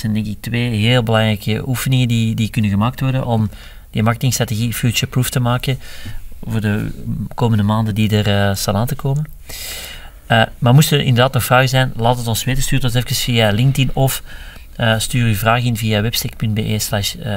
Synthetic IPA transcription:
zɛndɛŋkɪk̚tʋeːɦeːlˠbəlɑŋrɛjkʰəʔuːfənɪŋəndidikɵnənɣəmaːk̚tʋɔrdənʔɔm | d̥imɑrkətɪŋstrateɣiːfjuːt͡ʃərpruːftəmaːkənvoːrdəkoːməndəmaːndəndidərəsanaːntəkoːmən | əmaːrmustəʔɪndərdaːtnɔxfraɣzɛjnlaːtətɔnsʋeːtəstyːɾəntɔt̬ɛfkəsfijalɪŋk̚tɪnɔf | əstyːɾyːvraːɣɪnviːjawɛpstɛk̚pʏnt̚beːʔeːslɛʃ

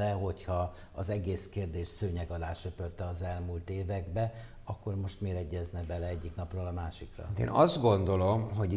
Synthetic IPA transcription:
lɛɦo̞chɒ | ɒzɛɡeːskeːrd̪eːʃsøːɲɛɡɒlaːʃøpø̞lt̪ɛɒzɛlmult̪eːvɛɡbɛ | ɒkːo̞rmo̞ʃt̪meːɾɛɟːɛznɛbɛlɛɛɟːiknɒproːlɒmaːʃikrɒ̰t̪ḛːnɒzd̪ɡo̞nd̪o̞lo̞mɦo̞ɟ

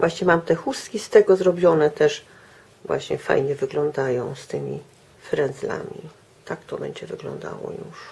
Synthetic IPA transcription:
vwaɕɲɛmamt̪ɛxust̪̚kʲist̪ɛɡɔzɾɔbʲjɔnɛt̪ɛʂ | vwa̰ɕɲɛ̰fa̰jɲɛvɘɡlɔnd̪ajɔ̃w̃st̪ɘmʲi | fɾɛnzla̰mʲḭ | t̪akt̪ɔbɛɲd͡ʑɛvɘɡlɔ̰̃nd̪a̰wɔ̰juʂ

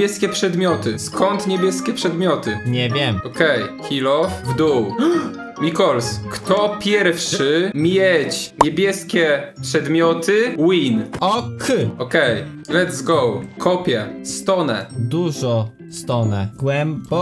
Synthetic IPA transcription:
ɛskʲɛpʂɛd̪mʲjɔt̪ɘskʰɔnt̪ɲɛbʲjɛskʲɛpʂɛd̪mʲjɔt̪ɘɲɛvʲjɛmɔkɛjfʲilɔfvd̪uw | mʲikɔlskt̪ɔpʲjɛɾfʂɘmʲjɛt͡ɕɲɛbʲjɛskʲɛpʂɛd̪mʲjɔt̪ɘwinɔkɔkɛj | lɛt̪zɡɔwkʰɔpʲjɛst̪ɔnɛ̰d̪uʐɔ | st̪ɔnɛɡ̥wɛmbɔ

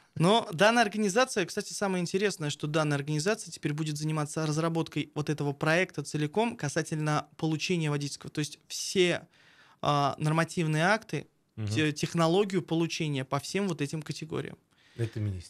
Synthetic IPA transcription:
nod̪anːəjɐrɡənʲɪzat̪sɨjəkst̪atʲɪ̥saməjəɪnʲtʲɪɾʲe̞snəjəʂt̪o̞d̪anːəjɐrɡənʲɪzat̪sɨjətʲɪ̥pʲeɾʲbudʲɪt̪zənʲɪmat̪sərəzrɐbo̞t̪kəjvo̞t̪ɛt̪əvəpɾɐɛk̚t̪ət̪sɨlʲɪko̞mkɐsatʲɪlʲnəpəlˠʊt͡ɕenʲɪjəvɐdʲitʲɪlʲskəvət̪o̞ɪsʲtʲfsʲe | ənərmɐtʲivnɨjəakt̪ɨ | tʲɪxnɐlˠo̞ɡʲɪjʊpəlˠʊt͡ɕenʲɪjəpɐfsʲe̞mvo̞t̪ɛtʲɪmkətʲɪɡo̰ɾʲɪ̰jə̰m | ɛt̪əmʲ

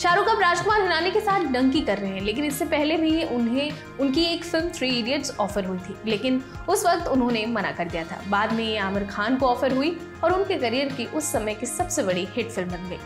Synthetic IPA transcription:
ʃaːɾukaːpɾaːd͡ʒkʊmaːlɦɪnaːnekesaːt̪ʰɖɐ̃ŋkikɐɾːɐɦeɦɛ̃leːk̬ɪnɪsːepɛɦlebʱiʊnɦẽ | ʊnkieːkfɪlmt̪ʰɾiːiːɖijəʈsɔːfəɾɦuit̪ʰiːleːkɪn | ʊsʋɐk̚t̪ʊnɦõnemɐna̰kɐɾd̪ijat̪ʰa̰ːbaːd̪mẽaːmɪɾkʰaːnkoɔːfəɾɦui | ɔːɾʊnkekɐɾijəɾkiʔʊsːɐməjkisɐbsebɐɽihɪʈfɪlmɐmlḛ̃ː

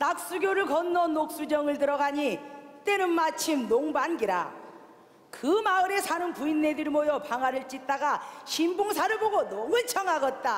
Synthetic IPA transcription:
nak̚s͈uɡjoɾɯɭkʌnːʌnːok̚s͈ud͡ʑʌŋɯɭtɯɾʌɡaɲit͈e̞nɯnmat͡ɕʰimnoŋbanɡiɾa̰ | kɯmaɯɾe̞sʰanɯnpuinːe̞dɯɾmʌjʌpaŋaɾɯɭt͡ɕ͈it̚t͈aɡaɕʰimbuŋs̬ʰaɾɯɭboɡonʌmɯɭt͡ɕʰʌŋɦaɡʌt̚t͈a

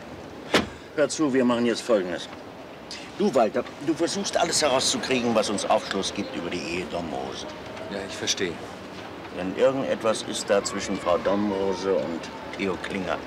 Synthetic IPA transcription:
høːɐt͡suːviːɐmaχn̩jɛt͡stfɔlɡŋ̩dəs | d̥uːvaltɐ | duːfɛɐzuːxstʔa̰ləshɛʁaʊst͡sukʁ̥iːɡŋ̩vasʊnsʔa̰ʊfʃlʊsɡ̥iːp̚tʔy̰ːbɐdiːʔeːədɔmho̰ːzə | jaːɪçfɛɐʃteːə | d̥ɛnʔɪɐɡŋ̩tʔɛ̰tv̥asɪ̰st̚d̥aːt͡sv̥ɪʃn̩fʁ̥aʊdɔmʁoːzəʊ̰nt | tʰːeːoklɪŋɐ̰

